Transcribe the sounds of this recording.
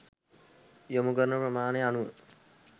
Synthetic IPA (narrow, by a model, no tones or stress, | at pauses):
jomuɡəɾnəprəmaːneanuʋə